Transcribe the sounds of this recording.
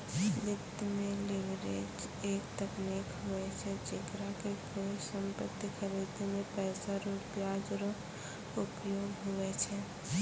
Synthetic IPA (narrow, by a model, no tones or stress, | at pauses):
lɪt̪mẽlɪʋɾḛd͡ʒeːk̚t̪əknekʰɦʊɛt͡ʃʰɛt͡ʃɪkɾakekoisə̃mpət̪ːikʰəɾid̪emẽpɛːsaɾopjad͡ʒɾ | ʊpjoːɡɦʊɛt͡ʃʰɛ